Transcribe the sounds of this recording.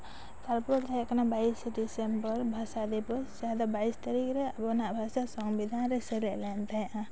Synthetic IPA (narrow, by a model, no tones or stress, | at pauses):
t̪alpɔʈt̪aaʔkanabaisɖisɛmbɔɾbʱasad̪ɛjpɔsaad̪abaist̪aɾikɾɛabɔnaʔbʱasasɔŋbid̪ʱanɾɛsɛlɛʔlɛnt̪ajaʔa